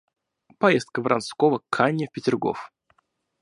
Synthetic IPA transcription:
pɐjest̪̚kəvɾʔanskovəkʰanʲjəfʲpʲɪtʲɪrɡo̰f

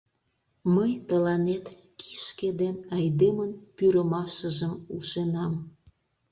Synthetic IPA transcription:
məjt̪əlɑnet̪ | ki̥ʃked̪enɑjd̪emənpyɾəmɑʃəʒəmuʃenɑm

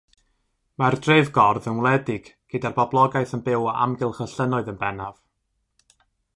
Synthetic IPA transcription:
mardreɨvɡɔrðənwlˠɛdɪɡ̥ɡ̥ədarbɔblˠɔɡaɨθənbɪwa̰mɡɪlˠχəɬənɔɨðənbɛnav̥

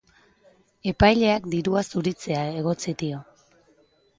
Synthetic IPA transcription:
e̞pajʎe̞akd̪iɾuasuɾit͡se̞ae̞ɣo̞t͡sid̪io̞

